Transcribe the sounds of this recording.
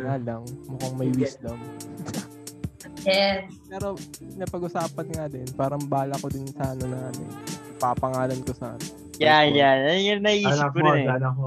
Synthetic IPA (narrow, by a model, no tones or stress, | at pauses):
naːlɐŋmʊkaŋmɐjwislɐm | jɛ | pɛːɾo̞pɪnɐpɐɡʊsaːpɐnŋad̪ɛnpaːɾɐmbaːlɐkod̪ɪnsaːnɐnɐŋʔɐmɪ̰nɐɡ̚papɐŋaːlɐnkosa̰ːnɐ | janjanɐjŋanɐhiʔiːʃɪkːoɾɪnɛa